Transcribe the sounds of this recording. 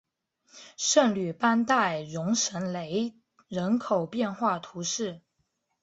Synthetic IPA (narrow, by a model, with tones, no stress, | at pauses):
ʂə˥˩ŋly˨˩pa˥nt̪a˥˩ɪɻʊ˧˥ŋʂə˧˥nle˧˥ɪ | ɻə˧˥nkʰo˨˩ʊpjɛ˥˧nxwa˥˩t̪ʰu˧˥ʂɻ̩˥˩